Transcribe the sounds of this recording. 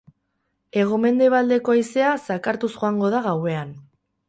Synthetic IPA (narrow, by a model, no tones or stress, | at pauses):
e̞ɣ̞ome̞nd̪e̞β̞ald̪e̞ko̞aise̞asakaɾt̪uzʝo̞aŋɡo̞ð̞aɣawe̞an